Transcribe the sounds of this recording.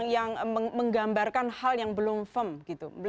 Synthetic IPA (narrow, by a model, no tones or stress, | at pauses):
ŋjaŋəməŋɡambarkanhaljaŋbəlʊmfəmɡ̥it̪ubəl